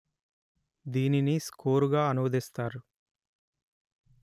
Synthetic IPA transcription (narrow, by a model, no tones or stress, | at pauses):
d̪iːniniskoːɾuɡaːɐnumɐd̪ist̪aːɾu